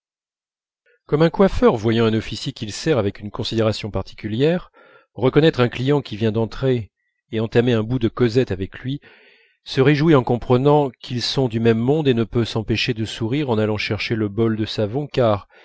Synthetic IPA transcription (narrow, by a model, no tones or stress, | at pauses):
kɔmɛ̃kwafœʁvwajɑ̃ɛ̃nɔfisjekʲilsɛʁavɛkynkɔ̃sid̪eʁasjɔ̃paʁt̪ʰi̥kʲyljɛʁ | ʁəkɔnɛt̪χɛ̃klijɑ̃kʲivjɛ̃d̪ɑ̃t̪χe | eɑ̃t̪ameɛ̃bud̪əkɔzɛt̪avɛklɥi | səʁeʒwiɑ̃kɔ̃pχənɑ̃kʰilsɔ̃d̪ymɛmːɔ̃d̪enəpøsɑ̃peʃed̪əsuʁiʁɑ̃nalɑ̃ʃɛʁʃeləbɔld̪əsavɔ̃kaʁ